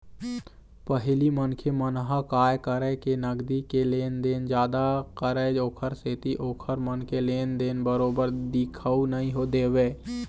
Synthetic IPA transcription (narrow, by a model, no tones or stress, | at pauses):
pəɦɪlimənkʰemənɦəkaːjkəɾəkenəɡd̪ikeleːnd̪eːnd͡ʒjaːd̪akəɾəoːkʰəɾseːt̪iʔoːkʰəɾmənkeleːnd̪eːnbəɾoːbəɾd̪ɪkʰəunəɦĩɦod̪eːʋeː